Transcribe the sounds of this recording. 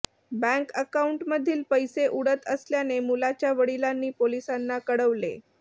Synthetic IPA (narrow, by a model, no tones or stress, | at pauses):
bæ̃ŋkəkauɳʈməd̪ʱːiːlpəjseʔuɽət̪əsljanemulat͡ɕjaʋəɽilanːiːpolisanːakəɽəʋlḛ